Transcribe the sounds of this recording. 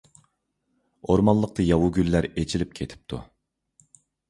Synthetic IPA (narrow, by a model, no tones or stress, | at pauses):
oɾmɑnlˠːəq̚t̪ʰɨjɑwuɡʲylːæɾet͡ʃʰilɪp̚kʲʰet̪ʰɪ̥p̚t̪ʰṵ